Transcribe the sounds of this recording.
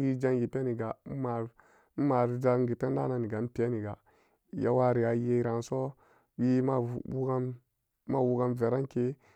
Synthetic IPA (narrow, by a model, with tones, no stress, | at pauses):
wi˦d͡ʒa˦ŋɡi˨pe˦ni˨ɡa˨m̩˦ma˨ɾ | m̩˦ma˨ɾd͡ʒa˦ɡi˨te˦n˦da˦na˨ni˨ɡa˨˦m̩˦pe˦ni˨ɡa˨ | ja̰˦wa˦ɾi˨a˨˦je˦ɾa˨n˨so˦ | wi˦ma˦˨wu˦ɡa˦n | ma˦wu˦ɡa˦nve˨ɾa˦nke˦